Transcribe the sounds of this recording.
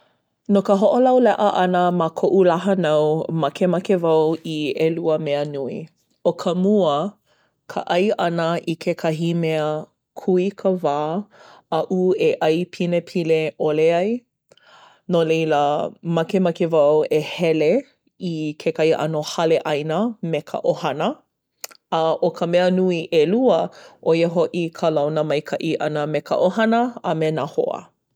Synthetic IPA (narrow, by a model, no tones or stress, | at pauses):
nokəɦoʔolɐwlɛʔəʔɐnəmakʰoʔulaɦɐnawmɐkemɐkevɐwieluəmeənui | okʰəmuə | kʰə̰ʔɐjʔɐnəʔikʰekʰɐɦimeə | kʰuikʰəvaːɐʔueʔɐjpʰinepʰileʔoleɐj | nolejləmɐkemɐkevɐwehɛle | ikʰekɐhiʔɐ̰nohɐleʔɐjnəmekʰɐ̰ʔohɐnə | ɐʔokʰəmɛənuiʔeluəʔoiəɦoʔikʰəlɐwnəmɐjkʰɐʔiʔɐ̰nəmekɐ̰ʔoɦɐnəɐmenaho̰ə̰